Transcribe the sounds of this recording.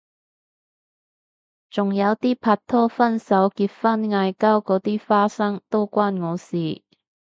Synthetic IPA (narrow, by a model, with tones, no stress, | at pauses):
t͡sʊ˨˩ŋjɐ˨˧wt̪iː˥pʰaː˧t̚t̪ʰːɔː˥fɐ˥nsɐ˨˥wkiː˧t̚fɐ˥nŋaː˧jkɐ˥wkɔː˨˥t̪iː˥faː˥sɐ˥ŋt̪o˥wkʷwaː˥nŋɔː˨˧siː˨